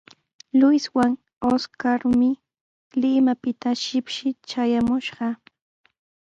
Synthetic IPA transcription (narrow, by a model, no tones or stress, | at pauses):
lʊjswaŋ | oskaɾmɪ | lɪmapɪt̪aʃɪpʃɪt͡ʃajamʊʃɢɑ